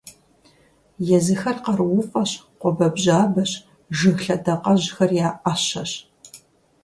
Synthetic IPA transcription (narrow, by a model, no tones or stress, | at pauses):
jɛzɨxɐrqɐrwʊqʷʼɐɕ | qʷɔbɐbʑaːbɐɕ | ʒɨxɬɐdɐqʼɐʑxɐrjaːʔaɕɐɕ